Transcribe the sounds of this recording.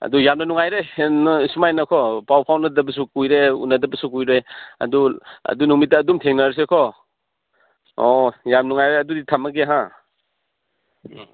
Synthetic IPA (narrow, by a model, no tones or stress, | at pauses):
ɐ̰dujamnɐnuŋajɾensumajnɐkʰɔpawpʰawnɐdɐbɐsukujɾeṵnːɐdɐbɐsukujɾeɐ̰duɐ̰dunuŋmit̚ːɐːdumtʰeŋnɐɾs̬ekʰɔ | ojamnuŋajɾeɐduditʰɐmɐɡeɦã